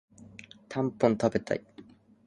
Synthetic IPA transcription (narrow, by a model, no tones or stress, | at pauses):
t̪ʰãmpːõnt̪abet̪a̰i